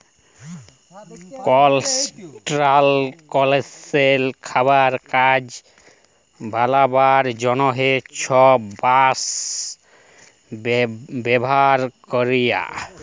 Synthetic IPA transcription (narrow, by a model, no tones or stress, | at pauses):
kɔlsʈɾalkɔleselkʰaβaɾkad͡ʑ | bʱalabaɾd͡ʒɔnɔɦet͡ʃʰɔbas | bɛbɔɦaɾkɔɾija̰